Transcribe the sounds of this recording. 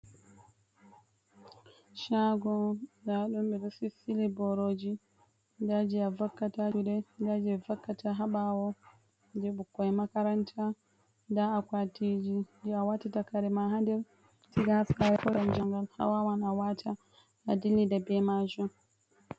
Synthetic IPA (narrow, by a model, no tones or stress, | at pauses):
ʃaɡɔdaɗumɓɛɾusisilibɔɾoːd͡ʒi | dad͡ʒiavakːatad͡ʒuɗɛdad͡ʒiɛvakːatʰaɦaɓawɔ | dɛɓukːɔɛmakaɾantʰa | daːkwatid͡ʒindɛawatatakaɾɛmaɦandɛɾ | tiɡasaɾɛkɔjamd͡ʒaŋɡalha̰wawanawatʰa | adilːidabɛmad͡ʒɔ